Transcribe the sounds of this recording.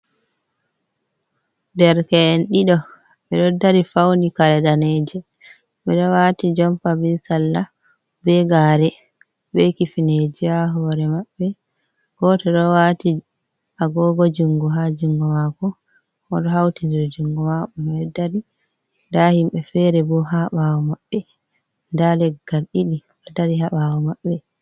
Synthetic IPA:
dɛɾkɛːnɗiɗɔ | mɛɗɔdːaɾifawndikaɾɛɗaned͡ʒɛ | mɛɗɔwaːtid͡ʒɔmpabɛsalːa | bɛɡaɾɛ | bɛkifined͡ʒijaɦɔɾɛmaɓːɛ | ɡ̥ɔtɔɗɔwati | ʔaɡɔɡod͡ʒuŋɡɔɦad͡ʒiŋɡɔmakɔ | ɔɗɔɦawtidiɾd͡ʒuŋɡɔmaɓɔmɛdaɾi | ndahimɓɛfɛɾɛbɔɦaɓawɔmaɓːɛ | ndalɛɡːalɗiɗi | adaɾiɦaɓawɔmaɓːɛ

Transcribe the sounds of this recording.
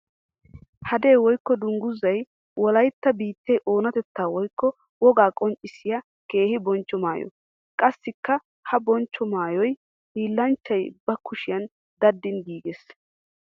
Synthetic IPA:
hɐd̪e̞ːwɔjkːɔd̪ʊŋɡʊzːɐj | wʔɔlɐjt̪ːɐbiːt̪ʰːejʔo̞ːnɐt̪ɛt̪ːaːwɔjkːɔ | wɔɡaːkʼɔnt͡ʃʼːɪsɪjɐ | ke̞ːhɪbɔnt͡ʃːɔma̰ːjɔ̰ | kʼɐsːɪkːɐ | hɐbɔnt͡ʃːɔmaːjɔj | hiːlːɐnt͡ʃːɐjbɐkʊʃɪjɐn | d̪ɐd̪ːɪnɡiːɡes

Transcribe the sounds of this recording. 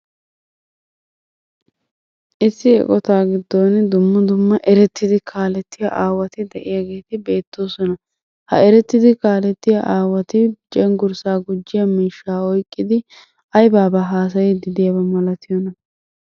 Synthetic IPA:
ʔɪsːɪɛ̰kʼɔt̪aːɡɪd̪ːoːnd̪ʊmːɐd̪ʊmːɐʔɛɾɛt̪ːɪd̪ɪkʰaːlɛt̪ːɪjɐ̰ʔaːwɐt̪ɪd̪ɛʔɪjaɡe̞ːt̪ɪbe̞ːt̪ːo̞ːsɔnɐ | hɐ̰ɛɾɛt̪ːɪd̪ɪkaːlɛt̪ːɪjɐ̰ʔaːwɐt̪ɪt͡ʃʼɛŋɡʊɾsaːɡʊd͡ʒːɪjɐmiːʃːaːɔjkʼːɪd̪ɪ | ɐjbaːbɐɦaːs̬ɐjɪd̪ɪd̪ɪjɐbɐmɐlɐt̪ɪjɔnɐ

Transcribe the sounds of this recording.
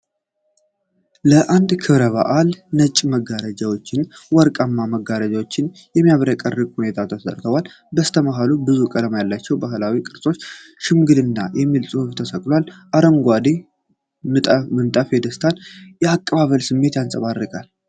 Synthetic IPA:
ləʔand̪kʰɨβɾəβa̰ʔalnət͡ʃʼːməɡaɾəd͡ʒawo̞t͡ʃːɪnwɔɾkʼamːaməɡaɾəd͡ʒawo̞t͡ʃːɪnjɛmːijaβɾəkʼərːɨkhune̞t̪ʰat̪ʰəsə̰ɾt̪ʰəwal | bəst̪ʰəməɦalubɨzukʼələmajalːat͡ʃːɛwbaɦlawikʼɨɾsʼo̞t͡ʃːʃɪmɡɨlɨnːajɛmːilsʼuhɨft̪ʰəsəkʼlwalʔaɾəmɡʷad̪e | mɨt̪ʼəmɨnt̪ʼəfɛd̪əst̪ʰanjɛakʼːəβaβəlsɨmːe̞t̪jansʼəβarːɨkʼal

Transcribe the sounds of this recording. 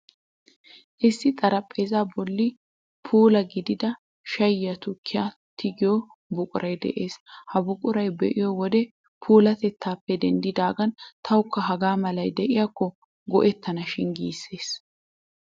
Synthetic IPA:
ʔɪsːɪt̪ʼɐɾɐpʼːe̞ːzaːbɔlːɪ | pʰuːlɐɡɪd̪ɪd̪ɐ | ʃɐjːɐt̪ʊkʰːɪja | t̪ɪɡɪjɔ | bʊkʼʊɾɐjd̪ɛ̰ʔe̞ːshɐbʊkʼʊɾɐjbɛʔɪjɔwɔd̪ɛ | pʰuːlɐt̪ɛt̪ʰːaːpːɛd̪ɛnd̪ɪd̪aːɡɐnt̪ʰɐwʊkːɐɦɐɡaːmɐlɐjd̪ɛʔɪjakːɔ | ɡɔʔɛt̪ʰːɐnɐʃɪnɡḭːsːe̞ːs

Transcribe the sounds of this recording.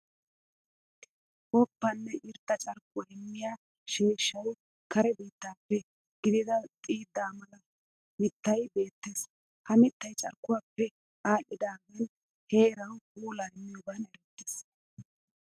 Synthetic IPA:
ʔɔpːɐnːɛʔɪɾt̪ːɐt͡ʃʼɐɾkːʊwaɛmːɪjaː | ʃiːʃːɐj | kɐɾɛbiːt̪ːaːpːɛ | ɡ̥ɪd̪ɪd̪ɐt̪ʼiːd̪ːaːmɐlɐ | mɪt̪ːɐjbe̞ːt̪ːe̞ːs | hɐmɪt̪ːɐjt͡ʃʼɐ̰ɾkːʊwaːpːɛ | ʔaːlːɪd̪aːmɛn | he̞ːɾɐwuːlaːɛmːɪjɔbɐnɛlt̪ːeːs

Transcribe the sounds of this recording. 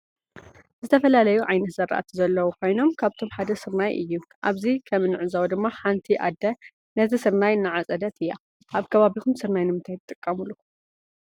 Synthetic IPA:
zɨt̪ʰɐfɐlalɐjuʕajnɐt̪zɐɾa̰ʔa̰t̪ʰizɐlːɐwukʰo̞jno̞mkʰaβt̪ʰo̞mħad̪ɐsɨɾnajʔɨ̰jːuʔaβzikʰɐmɨnːɨʕɨzawd̪ɨmːaħant̪ʰiʔa̰d̪ːɐ | nɐt̪ʰɨsɨɾnajɨnːɨʕat͡sʼɐd̪ɐt̪ʰɨjːa | ʔaβkʰɐβaβixumsɨɾnajnɨmɨnt̪ʰajt̪ʰɨt̪ʼːɨkʼːɐmulu

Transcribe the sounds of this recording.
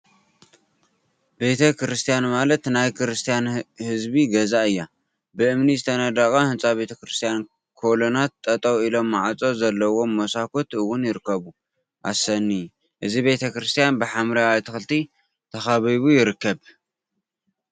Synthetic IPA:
be̞t̪ʰɐkɾɨst̪ʰijanmalɐt̪najkɾɨst̪ʰijanhɨzbiɡɐzaɨjːa | bɨʔɨmnizɨt̪ʰɐnɐd̪akʼɐhɨnt͡sʼaβe̞t̪ʰɐkɾɨst̪ʰijan | kʰo̞lonat̪ʼːɐt̪ʼɐwilo̞mːaʕat͡sʼo̞zɐlːɐwo̞mːosakʰot̪ɨwːʊnjɪɾɨkːɐβu | ʔa̰sɐnːi | ʔɨzibe̞t̪ʰɐkɾɨst̪ʰijanbɨħamɾawat̪ʰɨxɨlt̪ʰi | t̪ʰɐxaβiβujɪɾɨkːɐβ

